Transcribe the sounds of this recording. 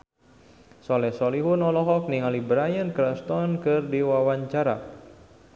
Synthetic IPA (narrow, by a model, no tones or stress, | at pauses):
sɔlɛhsɔliɦunɔlɔɦɔk̚niŋalibɾajənkɾast̪ɔnkɨrdiwawaɲt͡ʃaɾa̰